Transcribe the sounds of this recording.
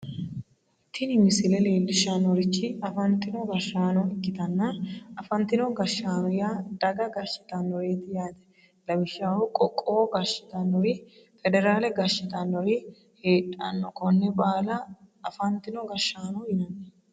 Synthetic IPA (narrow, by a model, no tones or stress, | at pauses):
t̪ʰːɪnɪmɪsɪlɛleːlːɪʃanɔɾɪt͡ʃːɪɐfɐnt̪ːɪnɔɡɐʃaːnɔɪkːɪt̪ɐnːɐɐfɐnt̪ɪnɔɡɐʃːaːnɔjaːd̪ɐɡɐɡɐʃːɪ̥t̪ɐnːɔɾeːt̪ɪjaːd̪ɛ̥ | lɐbɪʃːawʊkʼɔkʼːoːɡɐʃɪ̥t̪ɐnːɔɾɪ | fɛd̪ɛɾaːlɛɡɐʃɪt̪ɐnːɔɾɪ | heːt̪ʼːɐ̰nːɔkɔnːɛbaːlɐ | ɐfɐnt̪ɪnɔɡɐʃaːnɔjɪnɐnː